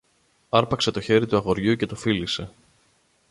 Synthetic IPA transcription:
ɐɾpɐkse̞t̪o̞çe̞ɾit̪uɐɣo̞ɾʝuce̞t̪o̞filise̞

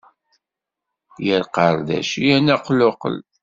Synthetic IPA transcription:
jəɾqəɾˤðæ̰ʃijænæqlʊqə̰l

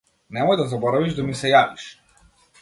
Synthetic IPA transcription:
nɛmɔjd̪azabɔɾaviʒd̪amisɛjaviʃ

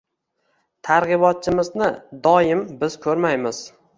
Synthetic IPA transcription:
t̪ʰaɾʁɨbɒt̪̚t͡ʃʰɪmɪznɪd̪ɒjɪmbɪz̥kʰɵɾmajmɪz̥

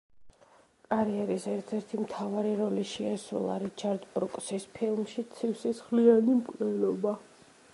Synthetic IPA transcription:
kʼaɾiɛɾisɛɾt̪ʰɛɾt̪ʰimt̪ʰavaɾiɾɔliʃiasɾṵlˠa̰ɾit͡ʃʰaɾd̪bɾukʼsispʰilˠmʃit̪sʰifsisχlianimkʼnɛlɔba

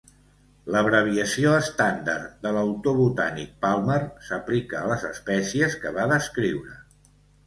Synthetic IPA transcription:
ləβɾəβ̞iəsioəst̪and̪ərd̪ələwt̪oβut̪anḭk̚palˠmərsəplikəːləzəspɛsiəskəβaðəskɾiwɾə

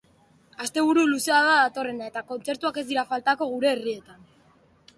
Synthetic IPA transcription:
ast̪e̞β̞uɾuluse̞aðaðat̪o̞re̞nae̞t̪ako̞nt͡se̞ɾt̪uake̞zd̪iɾafalt̪ako̞ɣ̞uɾe̞ːrie̞t̪an

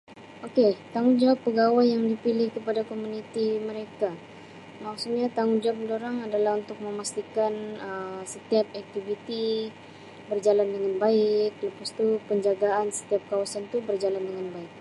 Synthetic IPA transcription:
oket̪aŋud͡ʒawpːəɡawajːaŋdipilɪhkəpadakomunit̪iməɾeka | maksuk̚ɲat̪aŋud͡ʒap̚doɾaŋadalaɦunt̪ʊk̚məmast̪ikanəsət̪iap̚ɛk̚t̪ivit̪i | bərd͡ʒalandəŋanbaɪk̚ləpast̪upəɲd͡ʒaɡaansə̥t̪iap̚kawasant̪ubərd͡ʒalandəŋanbaɪk̚

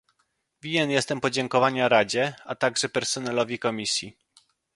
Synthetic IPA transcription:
vʲiɲɛnjɛst̪ɛmpɔd͡ʑɛŋkɔvaɲaɾad͡ʑɛat̪aɡʐɛpɛɾsɔnɛlɔvʲikɔmʲisʲji

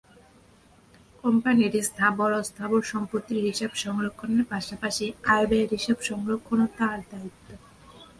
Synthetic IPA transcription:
kɔmpaniɾist̪ʰabɔɾɔst̪ʰaboɾʃɔmpɾot̪ːiɾɦiʃabʃɔŋɾokʰːoneɾpaʃapaʃiajbeeɾɦiʃabʃɔŋɾokʰːonot̪aɾd̪ait̪ːo

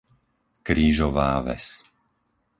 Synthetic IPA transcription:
kɾiːʒɔʋaːʋɛ̰s

